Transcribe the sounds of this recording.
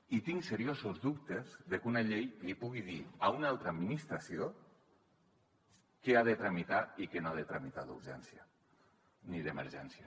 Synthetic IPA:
it̪iŋseɾiozozðup̚t̪ezðekunaʎejlipuɣiðiaunalˠt̪ɾəaːd̪minist̪ɾasio | keaðet̪ɾamit̪aikenoaðet̪ɾamit̪aðṵɾʒɛ̰nsja | niðemḛɾʒɛnsja

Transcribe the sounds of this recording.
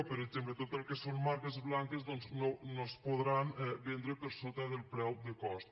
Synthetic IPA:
pəɾeɡzemplət̪ot̪əlˠkesonmaɾkezβlaŋkezðɔnznonospoðɾanɛbend̪ɾəpəɾsot̪aðelˠpɾɛwd̪əkɔst̪

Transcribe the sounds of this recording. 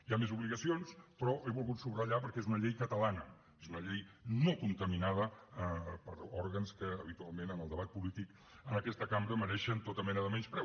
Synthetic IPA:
iamezuβliɣəsionspɾɔʔeβulˠɣut̪suβrəʎapəɾkɛezunəʎejkət̪əlanə | ezunəʎejnokunt̪əminað̞ə | pə̰ɾɔɾɣənskəːβit̪ualˠmenənəlˠd̪əβat̪̚pulit̪ik | ənəkɛst̪əkambɾəməɾɛʃənt̪ot̪əmɛnəðəmɛnspɾɛw

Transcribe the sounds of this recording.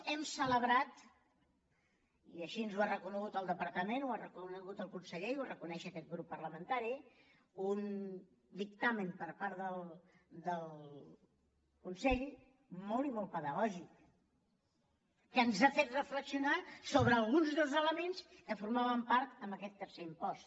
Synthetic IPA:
ɛmsələβɾat̪ | iəʃinzuarəkunəɣut̪əlˠd̪əpəɾt̪əmenuarəkunəɣut̪əlˠkunsəʎewarəkunɛʃəkɛt̪̚ɣɾupːərləmənt̪aɾi | un | d̪ikt̪amənpəɾpaɾðəlˠd̪əlˠ | kunsɛʎ | mɔlˠimɔlˠpəðəɣɔʒik | ənzafet̪rəfləksiunasoβɾəːlˠɣunzðəlˠzələmenskəfuɾmaβəmpaɾt̪əmbəkɛt̪ːəɾseimpɔs

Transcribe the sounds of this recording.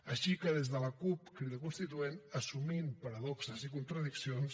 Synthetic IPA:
əʃikəðezðələkupkɾiðəkunst̪it̪uenəsuminpəɾəðɔksəzikunt̪ɾəðiksions

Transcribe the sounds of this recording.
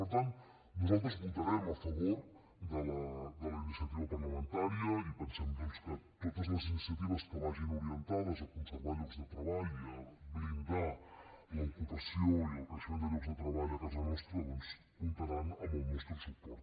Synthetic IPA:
pəɾt̪ant̪ | nuzalˠt̪ɾəzβut̪əɾɛməfəβoɾ | ðələd̪ələinisiət̪iβəpəɾləmənt̪aɾiəipənsɛmd̪ɔnskət̪ot̪əzləzinisiət̪iβəspɔɣaʒinuɾiənt̪aðəzəkunsəɾβalupzðət̪ɾəβaʎuəβɾind̪aləikut̪əsioiləpɾsiod̪əɣɾupzðət̪ɾəβaʎuəkazənɔst̪ɾəðɔns | βut̪əɾanəməlˠmɛst̪ɾəsək̚t̪oɾ

